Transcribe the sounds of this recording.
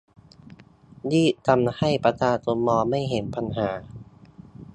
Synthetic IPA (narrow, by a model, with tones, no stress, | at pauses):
diː˥˩t̪ʰa˧mha˥˩jpa˧t̪ʰaː˧˩t̪u˧mɔː˧ma˥˩jɦe˩˦npa˧nɦaː˩˦